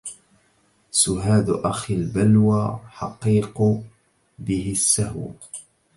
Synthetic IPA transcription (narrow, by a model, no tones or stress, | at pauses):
sʊɦaːd̪ʔaxɪlbalwaħɑqiːq | bɪhɪsːahw